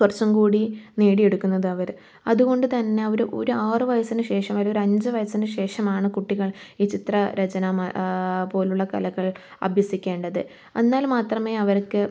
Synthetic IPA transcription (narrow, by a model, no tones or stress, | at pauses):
ɐrt͡ɕːɐmkuːɽiniːɽije̞ɽukːunːɐðɨɐʋɐɾ | ɐ̰ðuɣo̞ɳɖɨt̪ɐnːe̞ɐoɾuʔo̞̰ɾuaːrɨʋɐjɐsinɨɕe̞ːʂɐmʋɐlɐoɾɐɲd͡ʑɨʋɐjɐsinɨɕe̞ːʂɐmaːɳɨkuʈːiɣɐɭiːt͡ɕit̪rɐɾet͡ɕɐnɐmɐpo̞ːluɭːɐkɐ̰lɐɣɐɭ | ɐ̰bʱjɐsikʲːe̞ːɳɖɐðɨ | ɐnːaːlmaːt̪rɐme̞ːɐʋɐɾkːɨ